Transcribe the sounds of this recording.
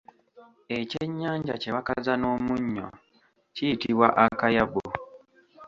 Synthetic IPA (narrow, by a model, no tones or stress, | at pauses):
e̞ceɲːaːɲɟa̰ceβakazano̞ːmuɲːo̰ | citiβwaʔakajaβo